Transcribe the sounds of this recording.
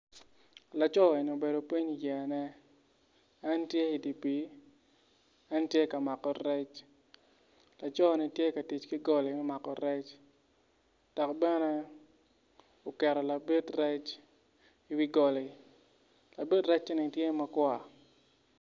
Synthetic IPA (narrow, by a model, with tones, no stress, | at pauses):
la˨t͡ʃɔ˦˨e˨ni˨o˨be˨do˨pi˦ɲi˨jɛ˨nɛ˦ | ɛ˦ntje˦i˨di˨pi˦ | ɛ˦ntje˦ka˨ma˨kɔ˨rɛ˦t͡ʃ | la˨t͡ʃɔ˦nɪ˦tje˦ka˨ti˨t͡ʃki˦ɡɔ˦lɪ˨wɛ˦ma˨kɔ˨ɾɛ˦t͡ʃ | d̥ɔ˨kbɛ˦nɛ˦ | o˨kɛ˨ɾɔ˨la˨bi˦trɛ˦t͡ʃ | i˦wi˦ɡɔ˨li˨ | la˨bi˦tɾɛ˦t͡ʃni˨tje˦ma˦kwa˨